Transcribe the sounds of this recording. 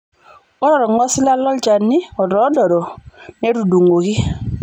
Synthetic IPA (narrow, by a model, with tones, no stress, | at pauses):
ɔ˦ɾɔ˨ɾɔ˨ŋɔ˦sɪ˦la˦lɔ˦lt͡ʃa˨nːi˦ɔ˨dɔ˨˦dɔ˨ɾɔ˨ne˦ɾu˨du˨ŋo˨ki˦